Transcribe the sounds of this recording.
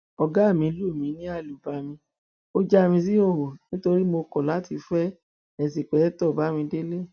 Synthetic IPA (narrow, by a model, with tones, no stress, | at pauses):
ɔ˧ɡa˦˨mĩ˧˦lu˦˨mĩ˨˦nĩ˦a˦˨lu˨ba˨mĩ˧˦ | o˦d͡ʒa˦˨mĩ˧s̬i˦o˦˨ho˨nĩ˦to˧ɾi˦mo˧kɔ˨la˨˦ti˧fɛ˦ | ɛ˨s̬i˨k͡pɛ˨˦tɔ˦˨ba˨˦mĩ˧de˦le˦˨